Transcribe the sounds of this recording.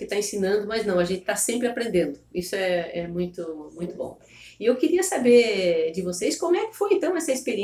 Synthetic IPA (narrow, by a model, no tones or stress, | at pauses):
kɪt̪aẽsĩnɐ̃nd̪ʊmɐznɐ̃w̃ɐʒẽnt͡ʃ̪ɪ̥t̪asẽmpɾɪapɾẽnd̪ẽnd̪ʊisʊɛɛmũj̃t̪ʊmũj̃t̪ʊbõ̰w̃ | ɪewkɪɾiɐsabeɾd͡ʒɪvosejskõmʊɛkɪ̥fojẽnt̪ɐ̃w̃ɛsɐispeɾiẽ